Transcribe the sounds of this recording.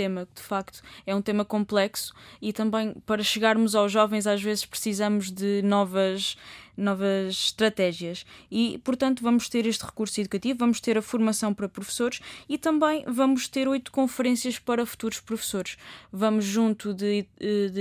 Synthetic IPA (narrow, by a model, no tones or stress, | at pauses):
emɐkd̪ɨfakt̪u̥ɛũt̪emɐkõmplˠɛksu̥it̪ɐ̃mbɐ̃j̃pɐɾɐʃɨɣaɾmuzawʒɔvɐ̃j̃zaʒvezɨʃpɾɨsizɐmuʒðɨnɔvɐʃnɔvɐʃʃt̪ɾɐt̪ɛʒjɐʃipuɾt̪ɐ̃nt̪uvɐmuʃt̪eɾeʃt̪ʁɨkuɾsuiðukɐt̪ivuvɐmuʃt̪eɾɐfuɾmɐsɐ̃w̃pɐɾɐpɾufsoɾʃit̪ɐ̃mbɐ̃j̃vɐmuʃt̪eɾojt̪u̥kõfɨɾẽsiɐʃpɐɾɐfu̥t̪uɾuʃpɾufsoɾʃvɐmuʒːũnt̪uðɨ